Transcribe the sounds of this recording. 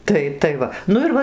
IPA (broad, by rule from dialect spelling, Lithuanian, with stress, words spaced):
ˈtɐɪ tɐɪ ˈʋɐ ˈnʊ ɪr ˈʋɐ